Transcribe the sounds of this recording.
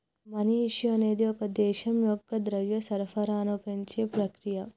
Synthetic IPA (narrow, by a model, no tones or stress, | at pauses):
mɐniiʃjɐɐneːd̪iokɐd̪eːʃɐmjoɡːɐd̪ɾɐʋjɐsɐɾfɐɾaːnopɐnt͡ʃepɾɐkɾijɐ